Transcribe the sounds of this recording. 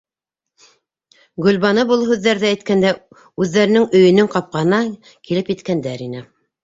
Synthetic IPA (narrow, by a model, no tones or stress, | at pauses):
ɡɵ̆lβɑnɤbolˠɦʉðːæɾðææjt̪kænd̪æ | ʉðːæɾɘ̆nɘŋɵ̆jɵ̆nɘŋqɑp̚qɑnɑ | kilɘpjɘ̆t̪kænd̪æɾinɘ